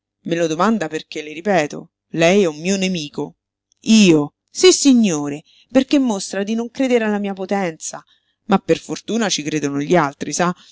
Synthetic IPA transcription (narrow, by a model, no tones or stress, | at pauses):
melod̪omand̪aperk̟eleɾipɛːt̪o̰ | lɛjɛumːiːonemiːko | iːo | sisːiɲːoːɾe | perkemːost̪ɾad̪inoŋkɾeːd̪eɾealːamiːapot̪ɛnt̪sa | mapːerfort̪uːnat͡ʃikɾeːd̪onoʎːialt̪ɾisa